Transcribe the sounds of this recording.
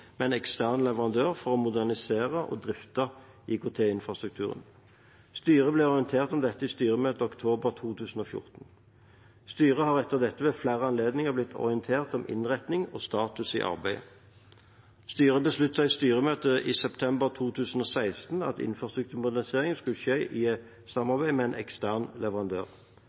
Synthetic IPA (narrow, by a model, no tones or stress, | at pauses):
mɛnɛkst̪æʁnlɛʋəʁɑnd̪øːʁfɔʁɔmʊd̪æʁnɪseːʁəʔɔ̰d̪ʁɪft̪ɑ | ɪkʊt̪ʰeːɪnfʁɑst̪ʁʉk̚t̪ʰʉːʁə̰n | st̪yːʁəblɛɔʁɪənt̪ʰeːʁt̪ɔmd̪ɛt̪ːəɪst̪yːʁəmøːt̪əɔkt̪ʰoːbəʁt̪ʰuːt̪ʰʉːsn̩oːfjʊ̰ʁt̪n̩ | st̪yːʁəhɑːʁɛt̪ːəʁd̪ɛt̪ːəʋeːflæːʁəɑnleːd̪nɪŋəʁblɪt̪ːʰɔ̰ʁɪənt̪ʰeːʁt̪ɔmʔɪ̰nʁɛt̪nɪŋo̰ːst̪ɑːt̪ʉsḭːʔɑ̰ʁbæɪ | st̪yːʁəbəslʉt̪ːsæɪst̪yːʁəmøːt̪əʔiːsɛpt̪ʰɛmbəʁt̪ʰuːt̪ʰʉːsən̩oːsæɪst̪nɑ̰t̪ɪ̰nfʁɑst̪ʁʉk̚t̪ʰʉːʁmʊd̪æʁɪseːʁɪŋəskʉlʃeːʔiːɛ | sɑmɑʁbæɪmɛænʔɛ̰kst̪æʁnlɛʋəʁɑnd̪ø̰ːʁ